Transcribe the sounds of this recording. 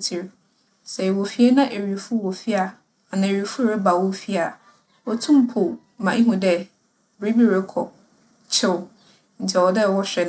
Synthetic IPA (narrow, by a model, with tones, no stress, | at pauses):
tʰi˨ɾ | sɛ˨wɔ˨fi˨˦e˦nã˦ʔe˨ɥi˨fu˦wɔ˨fi˦a˨ | a˨nã˨e˨ɥi˨˦fu˦˨ɾɛ˦ba˨wɔ˦fi˦a˨ | wɔ˨tʰũ˦m˦pʰo˨ | mã˨i˦ɦũ˨dɛ˦ | bɾi˦bi˦˨ɾɛ˦kʰɔ̰˨ | t͡ɕʰɪ˦w | n̩ʰ˨ɛ˨wɔ˨dɛ˦˨wɔ˦ɕᶣɛ˨n